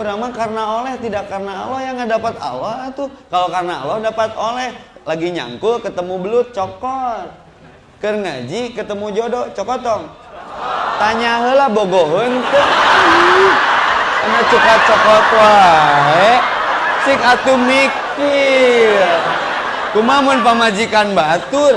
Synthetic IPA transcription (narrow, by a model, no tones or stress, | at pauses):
uɾaŋmakarənaolɛht̪idakːarnaːlɔhjaŋadapat̪a̰lɔɦat̪ukalokarna̰ːlɔhdapat̪olɛhlaɡiɲa̰ŋkʊkət̪əmubəlʊt̪̚t͡ʃɔkɔt̪̚ | kərŋa̰d͡ʒikət̪əmud͡ʒodot͡ʃɔkɔt̪ɔŋ | t̪aɲaɦəlahboɡoɦənt̪u | anat͡ʃukat͡ʃɔkɔt̪waɦe | sɪkat̪umik̚ː | i | kumamʊnpəmad͡ʒikanbat̪ur